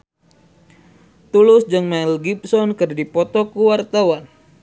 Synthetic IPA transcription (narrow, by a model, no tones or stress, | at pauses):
t̪ulʊsd͡ʒɨŋmailɡip̚sɔnkɨrdipɔt̪ɔkuwart̪awan